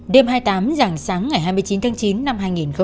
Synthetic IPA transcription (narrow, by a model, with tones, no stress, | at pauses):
ɗe˧mɦaː˧jt̪aː˨˦mza˨˩ŋsaː˨˦ŋːa˨˩jɦaː˧jmɨ˧ət͡ɕi˨˦nt̪aː˨˦ŋt͡ɕi˨˦nːa˧mhaː˧jŋi˨˩nxə˧w